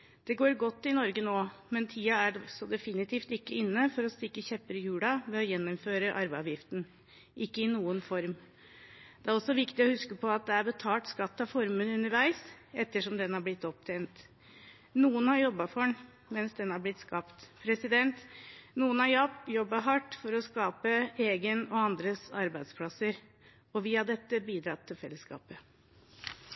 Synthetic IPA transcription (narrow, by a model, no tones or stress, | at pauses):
d̪̥ɛɡoːɾɡɔt̪ːɪnɔɾɡənoːmɛnt̪ʰiːɑæɖɔsɔd̪ɛfɪnɪt̪ʰiːft̪ɪkːəɪnːəfɔɾɔst̪ɪkːəçɛpːəɾəjʉːɽɑʋɛɔjɛnːɔmføːɾəʔɑɾbɑʋjɪft̪n̩ | ʔɪkːəɪnuːənfɔɾm | d̪ɛæɾɔsːɔʋɪkt̪ɪɔhʉskəpʰɔɑt̪̚d̪ɛæɾbət̪ʰɑːʈ̪skɑt̪ːɑfɔɾmənʉnəɾʋæɪsɛt̪ːəʂɔmd̪ɛnhɑɾblɪt̪ːɔp̚t̪ʰɛɪnt̪ | nuːənhɑɾjɔbːɑfɔɳ | mɛnsd̪ɛnɑɾblɪt̪skɑpt̪pʰɾɛsɪd̪ɛnt̪nuːənhɑɾjɑpt̪jɔbːɑɦɑʈːfɔɾɔskɑːpəeːɡənɔɑnd̪ɾəsɑɾbæɪd̪spʰlɑsəɾ | ɔʋiːɑd̪ɛt̪ːəbiːd̪ɾɑt̪ʰːɪlfɛlːəskɑ̰ːpə